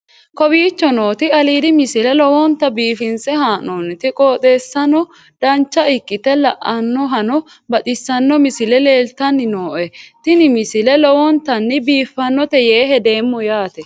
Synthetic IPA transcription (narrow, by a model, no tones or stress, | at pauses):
kɔbiːt͡ʃːɔno̞ːt̪ɪɐliːd̪ɪmɪsɪlɛlɔwɔnt̪ɐbiːfɪnsɛhaːnoːnːɪt̪ɪkʼo̞ːt̪ʼe̞ːsːɐnɔ | d̪̥ɐnt͡ʃːɐɪkʼːɪt̪ɛlɐ̰ʔːɐnːɔɦɐnɔ | bɐt̪ʼɪsːɐnːɔmɪsɪlɛle̞ːlt̪ɐnːɪnoːʔɛt̪ɪnɪmɪsɪlɛlɔwɔnt̪ɐnːɪbiːfːɐnːɔt̪ɛjeːɦɛd̪e̞ːmːɔjaːt̪ɛ